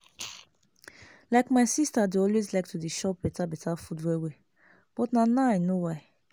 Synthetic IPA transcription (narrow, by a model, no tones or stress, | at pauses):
laɪkmaɪsistadeɔlwezlak̚tʰudiʃɔpbɛtʰabɛtʰafudwewe | b̥ɔtnanaaɪnowaɪ